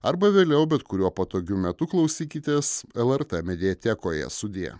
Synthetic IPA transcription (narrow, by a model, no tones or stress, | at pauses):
ɐɾbɐʋʲeːlʲɛʊbʲɛt̪kʊɾʲuɔpɐt̪oːɡʲʊmʲɛt̪ʊklˠɐʊsʲiːkʲɪt̪ʲeːsɛlˠɛɾt̪ɛmʲɛd̪ʲiɛt̪ʲɛkoːjɛ̰sʊd̪ʲḛː